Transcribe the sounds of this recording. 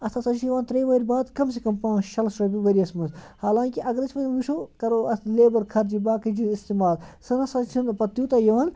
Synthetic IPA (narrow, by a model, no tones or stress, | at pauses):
ɐst̪ʰɐsɐt͡ʃʰijɐʋaːnt̪ɾeːʋɐːɾʲbaːd̪kɐmsekɐmpãːʃɐlsɾɐbʲiʋɐɾiɐsmɐnshaːlãːŋkiʔɐɡɾɐt͡ʃʰmɐnʋiʃʰoːkɐɾoːɐst̪leːbɐɾkʰɐɾd͡ʒibaːkɐd͡ʒiist̪imaːlsɐnɐsɐt͡ʃʰinpɐt̪juːt̪ɐjɐʋaːn